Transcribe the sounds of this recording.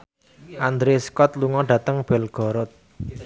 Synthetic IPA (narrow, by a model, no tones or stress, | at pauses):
ʔand̪ɾeskɔt̪̚luŋɔɖ̥ä̤t̪əŋb̥ɛlɡ̥ɔ̤ɾʊt̪̚